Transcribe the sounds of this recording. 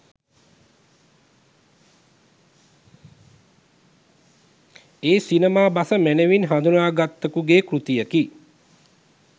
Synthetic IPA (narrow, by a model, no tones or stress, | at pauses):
eːsinəmaːbasəmænəʋinɦand̪unaːɡat̪ːəkuɡeːkɾut̪ijəki